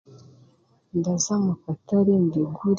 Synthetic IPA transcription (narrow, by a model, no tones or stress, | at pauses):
ndazamafataɾendeɡuɾ